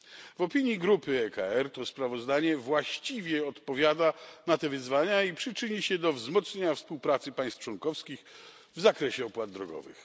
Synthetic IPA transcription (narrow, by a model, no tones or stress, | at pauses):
vɔpʲiɲjiɡɾupɘɛka̰ɛɾt̪ɔspɾavɔzd̪aɲɛvwaɕt͡ɕivʲjɛɔt̪pɔvʲjad̪anat̪ɛvɘzvaɲaipʂɘt͡ʂɘɲiɕɛd̪ɔvzmɔt̪sɲeɲafspuwpɾat̪sɘpaj̃st̪t͡ʂwɔnkɔfskʲix | vzakɾɛɕɛɔpwad̪̚d̪ɾɔɡɔ̰vɘ̰x